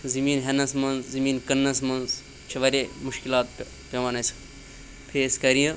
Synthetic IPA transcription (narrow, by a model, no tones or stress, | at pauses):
zɐmiːnɦenɐsmɐnzzɐmiːnkənːɐsmɐnz | t͡ʃʰiʋɐɾʲemuʃkilaːt̪̚p | pʲɐʋanɐsʰ | pʰeːskɐɾijɐ̃